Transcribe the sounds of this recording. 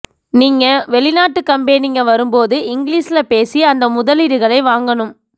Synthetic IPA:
niːŋɡɐʋɛɭɪnaːʈːɯkːɐmbeːnɪŋɡɐʋɐɾɯmpoːðɯɪŋɡɪɭiːsɪlɐpeːsiɐnd̪ɐmʊðɐlɪɾɯɣɐɭɐɪʋaːŋɡɐɳɯm

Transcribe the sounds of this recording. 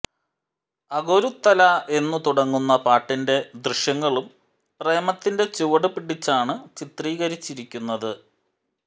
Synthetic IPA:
ɐɣoɾut̪ːɐlɐʔe̞nːɨt̪uɽɐŋːunːɐpaːʈːinde̞d̪rɨɕjɐŋːɐɭum | pre̞ːɐmɐt̪ːinde̞t͡ɕuʋɐɽɨpiɽit͡ɕːaːɳɨt͡ɕit̪riːɣɐɾit͡ɕːiɾikʲːunːɐðɨ

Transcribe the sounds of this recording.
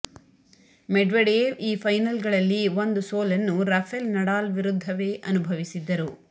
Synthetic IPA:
meɖʋeɖeːʋiːpʰɐjnɐlɡɐɭɐlːiʋond̪usoːlɐnːuɾɐpʰelnɐɽaːlʋiɾud̪ʱːɐʋe̞ːʔɐnubʱɐʋisid̪ːɐɾu

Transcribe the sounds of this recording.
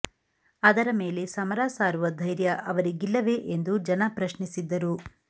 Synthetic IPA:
ɐd̪ɐɾɐmeːle̞sɐmɐɾaːsaːɾuʋɐd̪ʱɐjɾjɐʔɐʋɐɾiɡilːɐʋe̞ʔend̪ud͡ʒɐnɐpɾɐʃnisid̪ːɐɾu

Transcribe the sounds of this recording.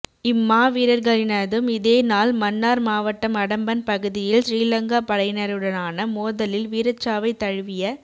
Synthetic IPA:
ɪmːaːʋiːɾɐɾɣɐɭɪnɐðɯmɪðeːnaːlmɐnːaːɾmaːʋɐʈːɐmɐɽɐmbɐnpɐɣɯðɪjɪlʃɾiːlɐŋɡaːpɐɽɐɪnɐɾɯɽɐnaːnɐmoːðɐlɪlʋiːɾɐt͡ʃːaːʋɐɪt̪ːɐɻɯʋɪjɐ

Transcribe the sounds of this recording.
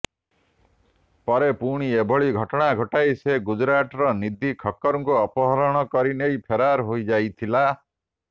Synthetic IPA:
pɔɾepuɽ̃iebʱɔɭiɡʱɔʈɔɽ̃aɡʱɔʈajseɡud͡ʒɾaʈɔɾɔnid̪ʱikʰɔkːɔɾɔŋkuɔpɔɦɔɾɔɽ̃ɔkɔɾinejpʰeɾaɾɦojd͡ʒajt̪ʰila

